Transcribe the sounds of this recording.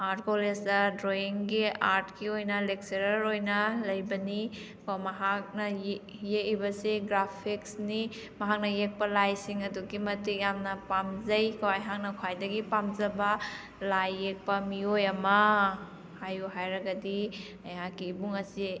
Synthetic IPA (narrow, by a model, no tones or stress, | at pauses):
aɾt̚kolesdɐdɾoiŋɡiaɾtkiojnɐlek̚seɾɐɾojnɐlɐjbɐni | komɐɦak̚nɐj | jekibɐseɡɾapʰiksni | mɐɦak̚nɐjek̚pɐlajsiŋɐduɡimɐtikjamnɐpamzɐjkɐwajɦak̚nɐkʰwajdɐɡipamzɐbɐ | lajːek̚pɐmiojɐmɐ | hajuɦajɾɐɡɐdi | ɐjakiːbuŋɐsi